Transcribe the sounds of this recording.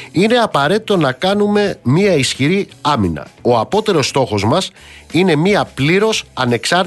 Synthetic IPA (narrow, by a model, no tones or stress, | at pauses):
ine̞ɐpɐɾe̞t̪it̪o̞nɐkɐnume̞miɐisçiɾiɐminɐ̰o̞ɐpo̞t̪e̞ɾo̞st̪o̞xo̞zmɐs | ine̞miɐpliɾo̞sɐne̞ksɐɾ